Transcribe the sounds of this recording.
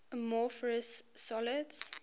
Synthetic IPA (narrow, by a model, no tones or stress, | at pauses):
mɔfəɹəsːɔləds